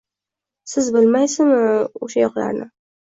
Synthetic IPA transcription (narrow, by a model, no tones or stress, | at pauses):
sɪzbɪlmajsɪmʊʃajɒqla̰ɾnɪ